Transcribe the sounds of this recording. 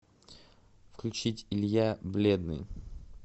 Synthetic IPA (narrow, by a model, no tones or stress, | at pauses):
fklʲʉt͡ɕitʲɪlʲjablʲed̪nɨ̰j